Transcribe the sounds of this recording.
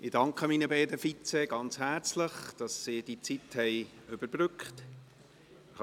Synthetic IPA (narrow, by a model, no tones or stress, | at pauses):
ɪd̥ɑŋkχəmiːnəbɛɪdəfit͡sɛɡ̥ɑnt͡shæːɾt͡sləχd̥ɑsːiːd̥it͡sithɛɪ | ʏb̥əɾb̥ɾʏkχt